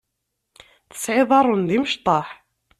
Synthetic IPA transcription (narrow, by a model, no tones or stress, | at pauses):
θə̥sʕɪðˤɑɾˤʊnðiməʃt̪ˤɑħ